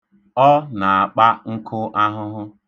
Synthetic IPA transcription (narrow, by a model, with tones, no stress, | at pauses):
ɔ˦na˨a˨k͡pa˦ŋ̩˦kʰʊ˦ʔa˦ɦʊ˦ɦʊ˦